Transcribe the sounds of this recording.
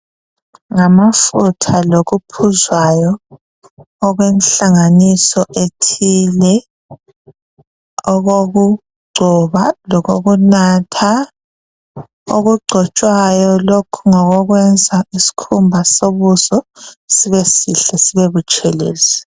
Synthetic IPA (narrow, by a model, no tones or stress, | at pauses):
ŋamafutʰaloɣupʰuzwajɔ | ɣwenɬaŋanisɔʔetʰilɛ | ɔɣoɣu | ɡ͡ǀʱɔβalɔɣoɣunatʰa | oɣuɡ͡ǀʱɔt͡ʃʼwajɔlokʰuŋɔɣɔɣwɛnd͡zʱaisi̥kʰumbʱasoβuzɔsiβesiɬɛsiβeβut͡ʃʼɛleːzi